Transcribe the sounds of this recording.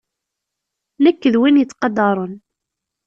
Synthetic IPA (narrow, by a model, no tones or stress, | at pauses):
nəkːəðwinjət͡sːqɑd̪ɑɾˤən